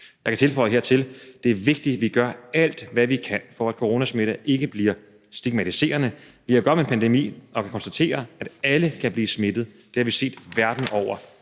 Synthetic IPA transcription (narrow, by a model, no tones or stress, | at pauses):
jɑ̈kʰæt͡sʰe̝lfɒ̽ɪəɦe̝ɐ̰t͡sʰe̝ld̥e̝æɐʋe̝ɡ̥̚d̥iʋiɡ̥ɶɐæl̰d̥ʋæʋikʰænfɒæd̥̚kʰo̝ʁo̝ːnæsme̝ɾ̥ɐʔe̝ɡ̥əb̥liɐ | sd̥iɡ̥̚mæt͡sʰise̝̰ːɐnə | ʋihɑɡɒ̥̽menpʰænd̥emḭːɒ̽kʰækʰɒ̽nsd̥æt͡sʰe̝̰ːɐæd̥æləkʰæb̥liːsme̝d̥ð̩ˠd̥e̝hɑʋise̝̰ːd̥ʋæɐd̥n̩ɒʊ̰ɐ